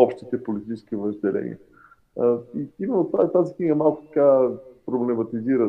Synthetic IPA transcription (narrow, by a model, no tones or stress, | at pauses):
ɔpʃt̪it̪ɛpolit̪it͡ʃɛ̥skivəʒd̪ɛlɛ̰nḭə | iimɛnot̪at̪azikniɡəmalˠkʊ̥t̪ɐ̥kapɾoblɛmɐt̪iziɾə